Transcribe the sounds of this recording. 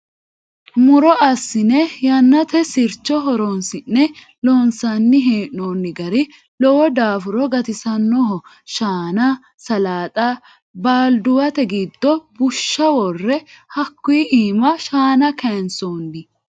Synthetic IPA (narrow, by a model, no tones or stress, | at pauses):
mʊɾɔɐsːɪnɛjɐnːɐt̪ɛsɪɾt͡ʃːɔɦɔɾɔnsɪnːɛ | loːnsɐnːɪɦeːʔnoːnːɪɡɐɾɪ | lɔwɔd̪aːfʊɾɔɡɐt̪ɪsɐnːɔɦɔ | ʃaːnɐ | sɐlaːt̪ʼa | baːld̪ʊwɐt̪ɛɡiːd̪ːɔbʊʃːɐwɔrːɛhɐkːʊːʔiːmɐʃaːnɐkʰɛnsoːnːɪ